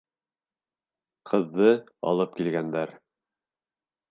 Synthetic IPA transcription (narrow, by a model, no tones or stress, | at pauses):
qʰɤ̆ðːɤɑ̰lˠɤp̚kilɡænd̪æɾ